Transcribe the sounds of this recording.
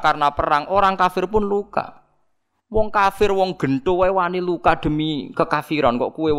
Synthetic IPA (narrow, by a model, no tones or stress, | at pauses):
karnapəɾaŋʔoɾaŋkafɪrpʊnluka̰ | wɔŋkafɪrwɔŋɡ̥ə̤nt̪owewanilukad̪̥ə̤mikəkafiɾɔnkɔ̰ʔkuwe